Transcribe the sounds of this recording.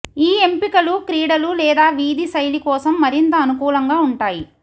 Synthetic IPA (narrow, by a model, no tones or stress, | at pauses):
iːe̞mpikɐlukɾiːɽɐlulɛːd̪aːʋiːd̪isɐjlikɔːsɐmːɐɾint̪ɐːnukuːlɐŋɡaːuɳʈaːji